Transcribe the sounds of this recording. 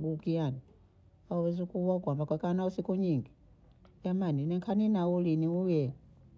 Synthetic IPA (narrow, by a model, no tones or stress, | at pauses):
ɡukiani | aɔwɛzukuakwambakwɛkanausikuɲiŋɡi | jamaninɛŋkʰaninauliniujɛ